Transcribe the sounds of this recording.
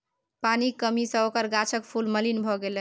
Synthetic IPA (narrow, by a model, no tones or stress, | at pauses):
panikəmisə̃okəɾɡat͡ʃʰəkpʰulməlinbʱɔɡel